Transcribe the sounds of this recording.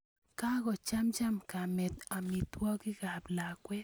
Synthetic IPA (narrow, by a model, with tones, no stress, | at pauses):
ka˦ɣɔ˨t͡ʃa˦mt͡ʃa˦mka˨mɛ˨t̪a˨mi˨t̪wɔ˦ki˦ɡa˨bla˨kwɛ˦